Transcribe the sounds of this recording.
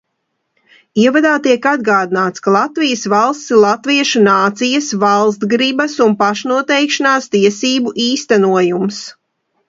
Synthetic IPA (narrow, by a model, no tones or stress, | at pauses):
iɛvad̪aːt̪iɛkad̪̚ɡaːd̪inaːt̪skalˠat̪vijəsvalˠst̪silˠat̪viɛʃunaːt̪sijɐsvɑlˠst̪ɡɾibɐsunpaʃnuɔt̪ɛjkʃanaːst̪iɛsiːbuʔiːst̪ænuɔjums